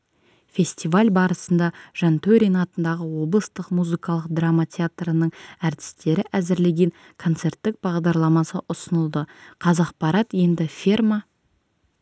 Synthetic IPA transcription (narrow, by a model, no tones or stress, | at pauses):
fʲe̞sʲt̪ivalʲbɑɾəsənd̪ɑʒ̥ɑnt̪ʰɵɾʲijnɑt̪ənd̪ɑʁəwo̞blˠəst̪əqmuzɨkɑlˠəqd̪ramat̪ʲʰeat̪rənəɴæɾt̪ʰɪ̥st̪e̞ɾɪʔæzɪɾle̞ɡʲe̞ŋ | kʰo̞nt̪se̞ɾt̪ːɪk̚b̥ɑʁd̪ɑɾlˠɑmɑsə̰ʔʊsənəlˠd̪əqʰɑzɑq̚pɑɾɑt̪je̞nd̪ɪfʲirma